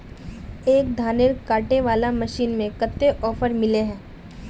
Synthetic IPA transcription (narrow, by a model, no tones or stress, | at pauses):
eːk̚d̪ʱaːneɾkaːʈeʋaːlamɐʃiːnmẽkət̪ːeʔɔːfəɾmɪleɦɛ̃ː